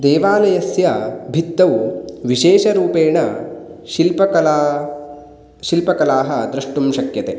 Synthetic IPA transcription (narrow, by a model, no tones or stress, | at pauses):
d̪eːʋaːlɐjɐsjɐbʱit̪ːɐwʋiʃeːʃɐɾuːpeːɳɐʃilpɐɐlː | ʃilpɐkɐlaːɦɐd̪ɾuʂʈumʃɐkjɐt̪e